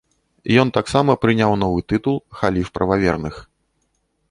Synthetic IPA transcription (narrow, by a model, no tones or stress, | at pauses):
jɔnt̪aksamɐpɾɨnʲawnɔvɨt̪ɨt̪ulˠxalʲifpɾɐvavʲɛrnɨx